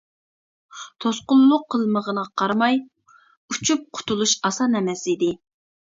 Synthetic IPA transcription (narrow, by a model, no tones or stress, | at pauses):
t̪ʰosqʊlˠːʊqʰːəlˠməʁənəʁɑqʰɑɾmɑj | ut͡ʃʰup̚qʰʊ̥t̪ʰulˠuʃɑsɑnɛmɛsid̪ɪ